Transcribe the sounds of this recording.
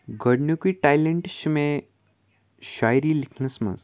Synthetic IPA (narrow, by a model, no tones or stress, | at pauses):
ɡʱəɽnukiʈajleɳʈɕime | ɕajɾiːlikʰnəsmə̰z